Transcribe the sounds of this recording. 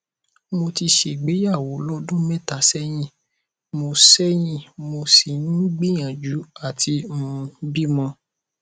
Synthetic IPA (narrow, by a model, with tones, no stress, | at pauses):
mo˧ti˧ʃe˨ɡ͡be˨˦ja˦˨wo˨˦lɔ˦dũ˦mɛ̃˦ta˨˦sɛ˦j̃ĩ˦˨ | mo˧sɛ˦j̃ĩ˦˨mo˧si˨ñĩ˦ɡ͡bi˦j̃ã˨d͡ʒu˨˦a˦˨tʰi˧mũ˧˦bi˦mɔ̃˧